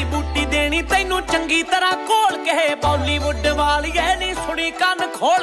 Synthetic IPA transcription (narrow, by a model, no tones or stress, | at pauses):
buːʈiːd̪eːɽ̃iːt̪ə̃ɪnũːt͡ʃəŋɡiːt̪əɾaːkoːlkəɦeːpaːliːʋʊɖʋaːljɛːnĩːsʊɽiːkənkʰoːl